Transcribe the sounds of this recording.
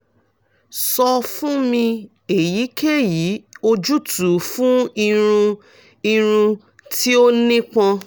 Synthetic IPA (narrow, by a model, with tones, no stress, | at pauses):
sɔ˧fũ˦mĩ˧ | e˨ji˨˦kʰe˦˨ji˨˦o˧d͡ʒu˦tu˨˦fũ˦i˧ɾ̃ũ˧ | i˧ɾ̃ũ˧ | ti˦o˦nĩ˦k͡pã˧